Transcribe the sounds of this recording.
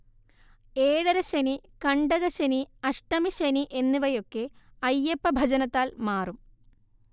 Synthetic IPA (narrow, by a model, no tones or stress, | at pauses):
eːɽɐɾɐɕɐnikɐɳɖɐɣɐɕeniɐʂʈɐmiɕɐniʔe̞nːuʋɐjo̞kːe̞ɐjːepːɐbʱɐd͡ʑɐnɐt̪ːaːlmaːrum